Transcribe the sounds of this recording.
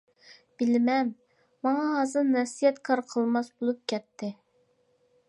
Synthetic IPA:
b̥ɪlmɛn | mɑŋɑɦɑːzɨɾnɛsijɛt̪kʰɑɾqʰəlˠmɑsbolˠup̚kʲʰɛt̪ʰːɪ

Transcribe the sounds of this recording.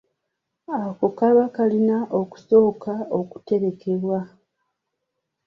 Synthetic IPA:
ako̞kaβakalinaʔo̞ku̥so̞ːkʰao̞ku̥te̞ɾe̞kʰe̞βwa

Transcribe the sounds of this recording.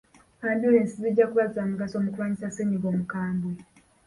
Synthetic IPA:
aːnduɾeːnsiziɟːakuβazamuɡasoːmukulaːɲisaseɲiɡoːmukaːmbwe

